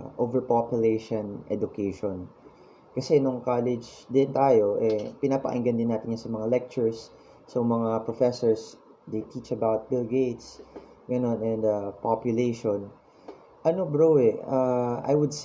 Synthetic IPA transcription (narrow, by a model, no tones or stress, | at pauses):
ʔovɛɹpopjʊlejʃonʔɛ̰d̪ʊkejʃon | kɐsɛnʊŋkaːlɪd͡ʒd̪ɪnt̪aːjo̞ʔɛpɪnaːpɐ̰ʔɐ̰ŋɡɐnd̪ɪnːaːt̪ɪɲɲasɐmɐŋalɛk̚t͡ʃʊɹsː | omɐŋapɹofɛsoɹs | d̪ejt̪ʰit͡ʃɐbawt̪̚bɪlɡejt̪s | ɡɐno̞nɛ̃nd̪ɐpapjʊlejʃon | ʔɐnobɹowɛaʔa̰jwʊd̪s